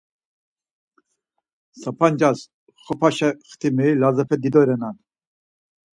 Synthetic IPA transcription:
sapʰand͡ʒas | χɔpʰaʃɛχt̪ʰimɛlazɛpʰɛd̪id̪ɔɾɛnan

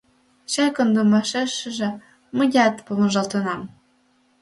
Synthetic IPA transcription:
ɕɑkɤ̆nd̪umɑʃeʃɘ̆ʒĕ | mɤ̆jɑt̪pomɤ̆ʒɑlt̪ɤ̆nɑm

